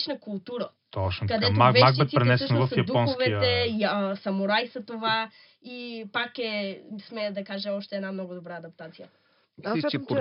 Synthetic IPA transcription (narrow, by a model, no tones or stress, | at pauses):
t͡ʃnɐkulˠt̪uɾɐ | t̪ɔt͡ʃnkɐd̪ɛoavaɡbiɛipɾɛnɛssʃnnvɐfjɐd̪uɔnxosvɛt̪ɛsɐmoɾajsɐt̪ova | ipakɛsmɛd̪ɐkaʒɛɔʃt̪ɛːd̪namnɔɡʊd̪obɾaɐd̪ɐp̚t̪at̪sijə